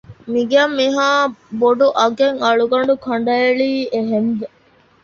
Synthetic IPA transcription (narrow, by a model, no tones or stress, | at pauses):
miɡeɐmːiɦaːboɖuʔɐɡeŋɐɭuɡɐɳɖukʰɐɳ̆ɖɐeɭiːeɦenʋe